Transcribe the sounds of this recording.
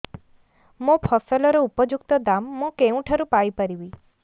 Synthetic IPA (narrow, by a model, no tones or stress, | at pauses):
mõpʰɔsɔlɔɾɔupɔd͡ʒukt̪ɔd̪amːũkeũʈʰəɾupajpəɾibi